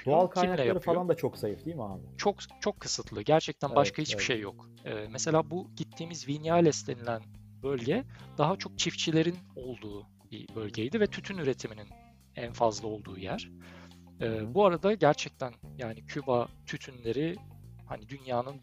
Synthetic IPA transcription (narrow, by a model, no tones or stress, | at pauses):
d̪̥oalˠkʰajnalɛjlaɾɯalˠand̪at͡ʃʰoksajifd̪iːmianɪt͡ʃʰo̞kt͡ʃʰo̞kʰːɯsɯt̪ʰlˠɯɟæɾt͡ʃʰɛc̚t̪ænbaʃkʰahit͡ʃbi̥ʃejːo̞k | ɛːmɛse̞lʲaːbuɟ̥it̪ʰːiːmizvinjalʲɛslʲe̞nilʲæn | bø̞lʲɟɛd̪̥aɦat͡ʃʰo̞k̚t͡ʃʰift͡ʃʰilʲe̞ɾino̞lˠd̪uː | b̥ḭbø̞lʲɟejd̪ivɛt̪ʰyt̪ʰynyɾe̞t̪ʰiminin | ænfazlˠɯo̞lˠd̪uːjæɾ̥ | ɛːbuaɾad̪aɟæɾt͡ʃʰɛc̚t̪ʰænjaːnicʰybat̪ʰyt̪ʰynlʲe̞ɾihanid̪ynjaːnɯn